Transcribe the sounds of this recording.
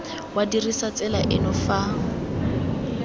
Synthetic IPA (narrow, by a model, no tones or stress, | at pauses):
wadirisat͡sʼɛlaʔɪnɔfaːŋ̩